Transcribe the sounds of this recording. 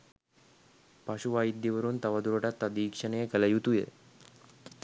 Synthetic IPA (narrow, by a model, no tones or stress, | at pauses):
paɕuʋaid̪ːjiʋəɾuːnt̪aʋad̪uɾoʈat̪ːad̪iːkʂəɳejekəlajut̪ujḛ